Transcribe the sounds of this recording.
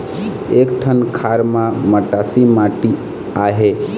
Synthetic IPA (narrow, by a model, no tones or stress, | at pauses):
ekʈʰənkʰaɾmãməʈasimaʈi | aɦe